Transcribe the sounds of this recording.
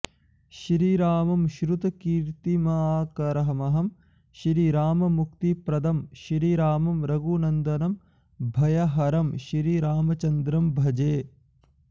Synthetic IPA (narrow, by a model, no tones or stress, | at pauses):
ʃɾiːɾaːmɐmʃɾut̪ɐkiːɾt̪imɐaːkɐɾɐɦɐmɐɦɐm | ʃɾiːɾaːmɐmukt̪ipɾɐd̪ʱɐmʃɾiːɾaːmɐmɾɐɡunɐnd̪ɐnɐm | bʱɐjɐɦɐɾɐmʃɾiɾaːmɐt͡ʃɐnd̪ɾɐmbʱɐd͡ʒeː